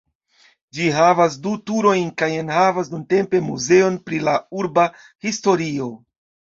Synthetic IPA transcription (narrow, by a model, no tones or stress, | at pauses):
d͡ʒiɦavas̬dutuɾo̞jnkajenhavas̬nunte̞mpe̞muze̞o̞npɾilauɾba | histo̞ɾio̞